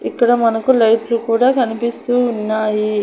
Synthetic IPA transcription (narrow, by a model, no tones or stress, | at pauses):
ikːɐɽɐmɐnɐkulɐjʈlukuːɽaːkɐnipist̪uːnːaːji